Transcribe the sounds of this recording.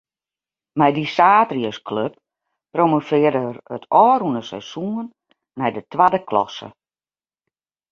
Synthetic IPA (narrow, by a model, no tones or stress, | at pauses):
mɛjdisaːtriəskʰløp̚ | promofɪːədəərətʰɔːɾunəsɛ̰sun | mɛjdətʋadəkʰlɔ̰sə̰